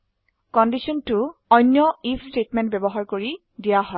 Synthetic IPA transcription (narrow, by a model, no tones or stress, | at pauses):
kɔndisiɔntʊɔjnːjɔipʰstetmɛ̃nt̚bɛbɔɦaɹkoɹi | dijaɦɔɪ